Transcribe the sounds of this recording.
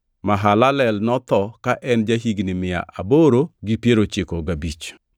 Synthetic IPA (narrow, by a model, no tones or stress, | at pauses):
maɦalalɛlnɔt̪ɔkaʔɛnd͡ʒaɦiɡnɪmɪja̰ʔaboɾoɡipjeɾot͡ʃɪkoɡabit͡ʃ